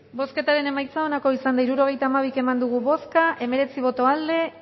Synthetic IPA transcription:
bo̞ske̞t̪aɾe̞ne̞majt͡sao̞nako̞isand̪aiɾuɾo̞ɣ̞e̞jt̪aːmaβ̞ike̞mand̪uɣuβo̞skaʔe̞me̞ɾe̞t͡siβ̞o̞t̪o̞ald̪e̞

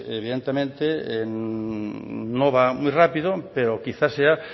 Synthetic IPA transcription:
ḛβiðent̪emẽnt̪e | noβamujrapiðopeɾokiθasea

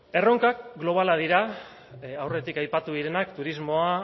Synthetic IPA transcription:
e̞ro̞ŋkakɡlo̞β̞alað̞iɾa | awre̞t̪ikajpat̪uðiɾe̞nakt̪uɾizmo̞a

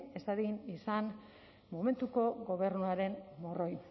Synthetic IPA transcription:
e̞saðinisan | mome̞nt̪uko̞ɣo̞β̞e̞ɾnuaɾe̞nmoro̞j

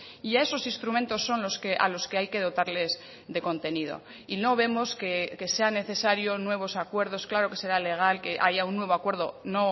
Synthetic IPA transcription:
iae̞so̞sinst̪ɾumẽ̞nt̪o̞sːo̞nlo̞skeʔa̰lo̞ske̞ajke̞ð̞o̞t̪aɾle̞z | ðe̞ko̞nt̪e̞nið̞o̞̰ | ino̞β̞e̞mo̞skeke̞se̞ane̞θe̞saɾjo̞nwe̞β̞o̞sakwe̞ɾðo̞sklaɾo̞ke̞se̞ɾale̞ɣ̞alke̞ʔaʝaunːwe̞βoakwe̞ɾð̞o̞no̞

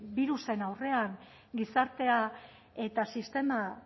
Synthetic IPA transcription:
biɾusenawre̞aŋ | ɡisaɾt̪e̞a | e̞t̪asist̪e̞ma

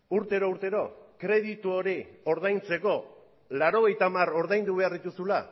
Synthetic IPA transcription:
uɾt̪e̞ɾouɾt̪e̞ɾo̞kɾe̞ðit̪uo̞ɾio̞ɾð̞ajnt͡se̞ko̞ | laɾo̞ɣ̞e̞jt̪amaro̞ɾðajnd̪uβe̞aɾðit̪usula

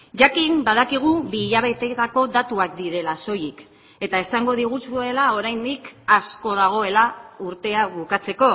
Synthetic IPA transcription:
ʝakimbað̞akiɣ̞uβiːʎaβ̞e̞t̪e̞t̪ako̞ðat̪uak̚d̪iɾe̞laso̞jik | e̞t̪ae̞saŋɡo̞ð̞iɣ̞usue̞lao̞ɾajnd̪ikasko̞ð̞aɣ̞o̞e̞lauɾt̪e̞aβukat͡se̞ko̞

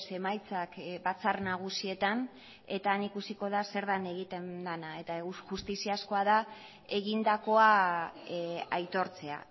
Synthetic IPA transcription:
se̞majt͡sakbat͡sarnaɣ̞usie̞t̪an | e̞t̪aːnikusiko̞ð̞ase̞ɾðane̞ɣ̞it̪e̞nd̪anae̞t̪auʝust̪isiasko̞aða | e̞ɣ̞ind̪ako̞a | ajt̪o̞ɾt͡se̞a̰

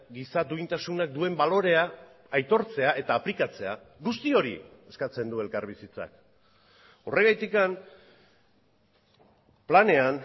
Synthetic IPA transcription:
ɡisat̪uint̪asunak̚d̪ue̞mbalo̞ɾe̞aː | jt̪o̞ɾt͡se̞aʔe̞t̪aːplikat͡se̞a | ɡust̪io̞ɾḭe̞skat͡se̞nd̪ue̞lkaɾβisit͡sa̰k | o̞re̞ɣajt̪ikan | plane̞an

